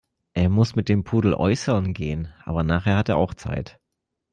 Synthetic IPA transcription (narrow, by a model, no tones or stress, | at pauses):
ʔeːɐmʊsmɪt̚d̥eːmpʰuːdl̩ʔɔ̰ʏsəʁnɡeːənʔa̰ːbɐnaːχheːɐhateːɐʔa̰ʊxt͡sa̰ɪt